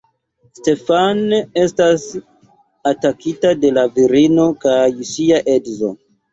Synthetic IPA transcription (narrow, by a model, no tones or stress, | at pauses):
ste̞fane̞stas | atakitade̞laviɾino̞kajsiaʔe̞dzo̞̰